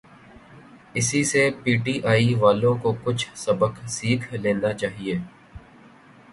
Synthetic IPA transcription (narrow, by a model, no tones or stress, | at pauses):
ɪsisepiːʈiːʔaːiʋaːlõkokʊt͡ʃʰsɐbəksiːkʰleːnat͡ʃaːɦieː